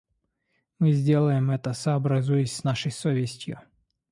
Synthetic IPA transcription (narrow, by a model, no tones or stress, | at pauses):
mɨzʲdʲe̞lˠəjɪmɛt̪əsɐːbɾɐzujɪsʲsnaʂəjsovʲɪsʲtʲjʊ